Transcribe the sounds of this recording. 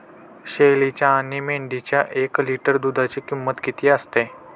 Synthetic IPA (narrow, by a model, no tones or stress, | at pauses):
ɕelit͡ɕjaːnimeɳɖit͡ɕjaʔekliʈəɾd̪ud̪ʱat͡ɕikimːət̪ɡit̪iəst̪e